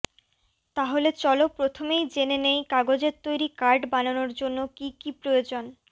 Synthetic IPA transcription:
t̪aɦolet͡ɕɔlopɾot̪ʰomejd͡ʑenenejkaɡod͡ʑeɾt̪ojɾikaɾɖbananoɾd͡ʑonːokikipɾojod͡ʑon

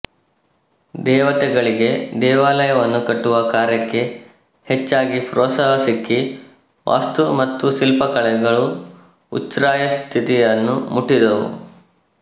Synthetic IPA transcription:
d̪ɛːʋɐt̪ɛɡɐɭiɡe̞d̪ɛːʋaːlɐjɐʋɐnːukɐʈːuʋɐkaːɾjɐkːe̞ | het͡ʃːaːɡipɾɔːt̪saːɦɐsikːi | ʋʔa̰ːst̪umɐt̪ːusilpɐkɐɭɛɡɐɭu | utt͡ʃɾaːjɐst̪ʰit̪ijɐnːumuʈːid̪ɐʋṵ

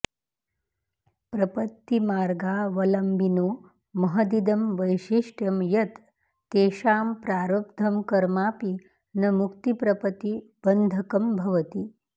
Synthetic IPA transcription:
pɾɐpɐt̪ːimaːɾɡaːʋɐlɐmbinoː | mɐɦɐd̪id̪ɐmʋɐjʃiʂʈjɐmjɐt̪ː | eːʃaːmpɾaːɾɐp̚d̪ʱɐmkɐɾmaːpi | nɐmukt̪ipɾɐpɐt̪ib̥ɐnd̪ʱɐkɐmbʱɐʋɐt̪i

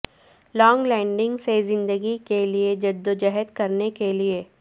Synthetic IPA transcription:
lɔːŋɡlɛ̃ːɳɖɪ̃ŋɡsezɪ̃nd̪əɡikelied͡ʒɐd̪ːod͡ʒɐɦət̪kɐɾnekelieː

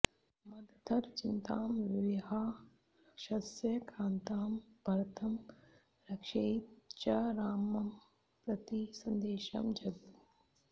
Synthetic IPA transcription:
mɐd̪ʱd̪ʱɐɾt͡ʃɪnt̪aːmʋɪʋɦaː | ʃɐsjɐkʰãːnt̪aːmbʱɐɾt̪ʰɐm | ɾɐkʃeːt̪t͡ʃɐɾaːmɐm | pɾɐt̪isɐ̃nd̪eːʃɐ̰md͡ʒɐɡ̪u

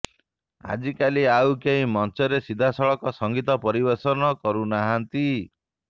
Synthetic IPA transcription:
a̰d͡ʒikaliawkeĩmɔnt͡ʃɔɾesid̪ʱasɔɭɔkɔsɔŋɡit̪ɔpɔɾibesɔnɔkɔɾunaɦant̪i

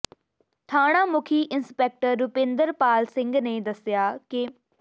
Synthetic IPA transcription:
t̪ʰaːɽ̃ãːmʊkʰiːʔɪnspɛːk̚ʈəɾːʊpẽːnd̪əɾpaːlsɪ̃ŋɡneːd̪əsɪjaːkɪ

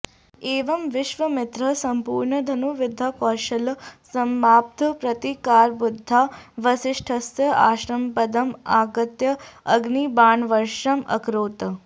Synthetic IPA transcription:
eːʋɐmʋɪʃʋɐmɪt̪ɾɐsɐmpuːɾɳɐd̪ʱɐnuʋɪd̪ʱakɔːʃɐlsɐmːaːp̚t̪ʰɐpɾɐt̪ikaːɾbud̪ʱːaːʋɐsɪʂʈʰɐsjɐa̰ːʃɾɐmpɐd̪ɐmaːɡɐt̪jɐɐɡnibaːɳʋɐɾʃɐmɐ̰kɾoːt̪

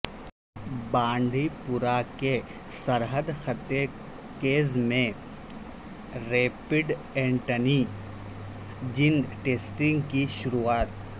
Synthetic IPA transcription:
bãːɳɖʱipʊɾake | səɾɦəd̪xət̪je | keːzmẽ | ɾeːpɪɖ | ẽːɳʈəni | d͡ʒɪnʈeːsʈɪ̃ŋɡkiʃʊɾuaːt̪̚

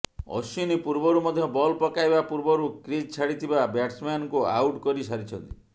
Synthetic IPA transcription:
ɔ̰sinipuɾbɔɾumɔd̪ʱjɔbɔlpɔkajbapuɾbɔɾukɾid͡ʒt͡ʃʰaɽit̪ʰibabaʈsmankua̰wʈkɔɾisaɾit͡ʃʰɔnt̪i̥

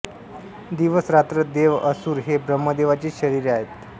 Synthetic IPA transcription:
d̪iʋəsɾat̪ɾəd̪eʋəsuːɾɦebɾəmːəd̪eʋat͡ɕiːɕəɾiɾaɦet̪̚

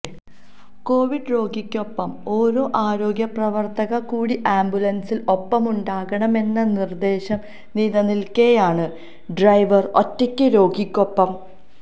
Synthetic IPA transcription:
ko̞ːʋiɖɨɾo̞ːɡikʲːo̞pːɐmo̞ːɾoːʔaːɾo̞ːɡjɐprɐʋɐrt̪ɐɣɐkuːɽiʔaːmbulɐnsilo̞pːɐmuɳɖaːɣɐɳɐme̞nːɐnird̪e̞ːɕɐm | niːðɐnilkejaːɳɨ | ɖrɐjʋɐro̰tːɐkʲːɨɾo̞ːɡikʲːo̞pːɐm

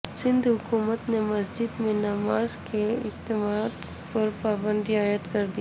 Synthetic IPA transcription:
sɪ̃nd̪ɦʊkuːmət̪nemɐsd͡ʒɪd̪mẽnɐmaːzkeɪst̪ɪmaːd̪ | pɔɾpaːbə̃nd̪iaːjət̪kɐɾd̪ia

